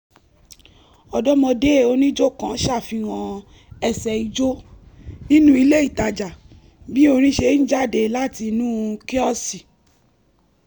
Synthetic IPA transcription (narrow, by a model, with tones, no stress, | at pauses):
ɔ˧dɔ˦mɔ̃˧de˦˨o˧nĩ˦d͡ʒo˦kã˨˦ʃa˦˨fi˧wã˧ | ɛ˧˨sɛ˨i˧d͡ʒo˦nĩ˦nũ˦i˧le˦i˦˨ta˧d͡ʒa˨ | bi˦o˧ɾ̃ĩ˦ʃe˧˦n̩˦d͡ʒa˦˨de˧la˦ti˧nũ˦ke˦ɔ˦si˨